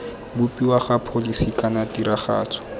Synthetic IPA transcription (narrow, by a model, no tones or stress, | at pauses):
bʊpʼiwaχapʰolisikanatiɾaχa̰ːt͡sʰɔ̥